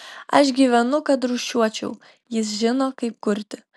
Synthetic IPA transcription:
ɐʃɡʲiːʋʲɛnʊkɐt̪ɾuʃʲuɔt͡ʃʲɛ̰ʊ | jɪs̬ʒʲɪnoːkɐɪp̚kʊɾʲt̪ʲɪ

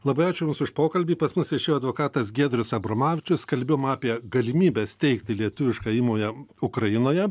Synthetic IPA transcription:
lˠɐbɐɪɑːt͡ʃʲʊjʊmsʊʃpoːkɐlʲbʲiːpɐsmʊsʋʲiɛʃʲeːjoːd̪ʋoːkɑːt̪ɐsɡʲeːd̪ʲɾʲʊsɐbɾoːmɑːʋʲɪt͡ʃʲʊskɐlʲbʲeːjoːmɑːpʲiɛɡɐlʲɪmʲiːbʲest̪ʲɛɪkt̪ʲɪlʲiɛt̪ʊʋʲɪʃkɑiːmoːjɛʊkɾɐjɪnoːjɛ

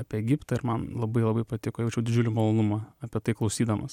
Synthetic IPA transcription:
ɑːpʲiɛɛɡʲɪpt̪ɐːɪɾmɐnlˠɐbɐɪlˠɐbɐɪpɐt̪ʲɪkoːjɛʊt͡ʃʲɛʊdʲɪd͡ʒʲʊlʲɪmɐlˠoːnʊmɐɐpʲiɛt̪ɐɪklˠɐʊsʲiːd̪ɐmɐs

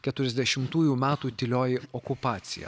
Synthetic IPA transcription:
kʲɛt̪ʊɾʲɛzʲd̪ʲɛʃʲɪmt̪uːjuːmʲæːt̪uːt̪ʲɪlʲoːjɪɔkʊpɑːt̪sʲɪjɛ̰

